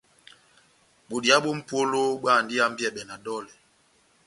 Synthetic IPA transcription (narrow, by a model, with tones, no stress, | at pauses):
ɓo˨di˨a˦ɓo˦m̩˦po˦lo˦ɓa˦˨n˨di˦a˦m̩˦bjɛ˨ɓɛ˨na˨dɔ˦lɛ˨